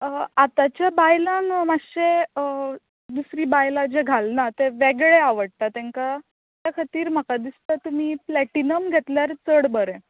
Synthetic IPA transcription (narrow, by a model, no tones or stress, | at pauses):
əat̪at͡ɕjabajlãŋmaɕe | d̪usɾiːbajlad͡ʑeɡʱalnat̪eʋeɡɭeaʋəɽt̪at̪ɛ̃ŋka | t̪jakʰat̪iːɾm̤əkad̪ist̪ət̪um̤iːplɛʈinəmɡʱet̪ljaɾt͡səɽbəɾẽ